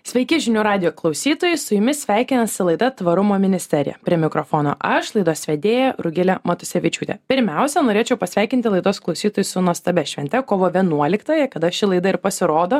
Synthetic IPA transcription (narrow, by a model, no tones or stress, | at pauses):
sʲʋʲɛɪkʲɪʒʲɪnʲuːɾɑːd̪ʲɪjoːklˠɐʊsʲiːt̪oːjɛɪsʊjʊmʲɪsʲʋʲæˑɪkʲɪnɐsʲɪlˠɐɪd̪ɐt̪ʋɐɾʊmoːmʲɪnʲɪsʲt̪ʲɛɾʲɪ̰jɛ̰pʲɾʲiɛmʲɪkɾoːfoːno̰ːʔɐʃlˠɐɪd̪oːssʲʋʲɛd̪ʲeːjɛɾʊɡʲɪlʲɛmɐt̪ʊsʲɛʋʲɪt͡ʃʲuːt̪ʲɛ̰pʲɪɾʲmʲɛʊsʲɛnoːɾʲeːt͡ʃʲɛʊpɐsʲʋʲæˑɪkʲɪnʲt̪ʲɪlˠɐɪd̪oːsklˠɒʊsʲiːt̪oːjusʊnuɔst̪ɐbʲɛʃʲʋʲɛnʲt̪ʲɛkoːʋoːʋʲiɛnuɔlʲɪkt̪oːjɛkɐd̪ɐʃʲɪlˠɐɪd̪ɐɪɾpɐsʲɪɾoːd̪oː